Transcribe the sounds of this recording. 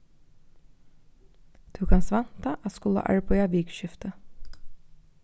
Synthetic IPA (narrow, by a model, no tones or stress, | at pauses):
d̪̥ʉːkʰɑːnsʋɛnt̪ɑʔɑskʊlə̰ʔæ̰ɹpʰɔjɑːʋiːɡʃʏft̪ə